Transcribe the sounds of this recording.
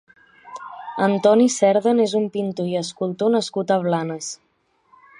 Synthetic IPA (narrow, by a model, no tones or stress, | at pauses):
ənt̪ɔnisɛɾðənezumpint̪uiəskulˠt̪onəskut̪əβlanəs